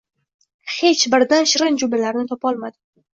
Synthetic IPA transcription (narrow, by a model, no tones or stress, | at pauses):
he̞t͡ʃbɪɾd̪anʃɪɾɪnd͡ʒʊbɪlaɾnɪt̪ʰɒpɒlˠmad̪ɪ